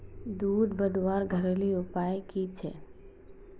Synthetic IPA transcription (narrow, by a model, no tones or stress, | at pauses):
d̪uːd̪bəd̪waːɾɡʱɐɾeːliʊpaːjkit͡ʃʰeː